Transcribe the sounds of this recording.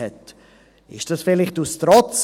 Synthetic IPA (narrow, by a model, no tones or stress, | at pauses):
ɛt | ɪʃd̥ɑsfɪlɪχtustɾɔt͡s